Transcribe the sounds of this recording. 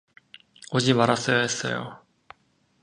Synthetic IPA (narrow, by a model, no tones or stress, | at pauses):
od͡ʑimaɾas͈ʌjaɦes͈ʌ̰jo̰